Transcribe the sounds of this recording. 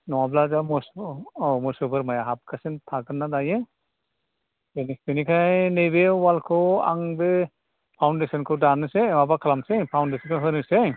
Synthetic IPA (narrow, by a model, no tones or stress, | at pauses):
nɔwablazamɔs | mɔsɯbɯɾmajaɦap̚kʰasentʰaɡɯnːadajɯ | benispenikʰajnejbewalkʰɯwa̰ŋbe | pʰawndesɔnkʰɯwdanɯsemabakʰalamsejpʰawndesinkʰoɦɯnɯsej